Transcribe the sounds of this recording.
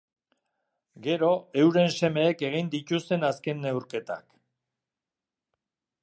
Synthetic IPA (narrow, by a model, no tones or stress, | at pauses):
ɡe̞ɾo̞e̞wɾe̞nse̞me̞ːke̞ɣ̞ind̪it̪ust̪e̞naske̞nːe̞wɾke̞t̪a̰k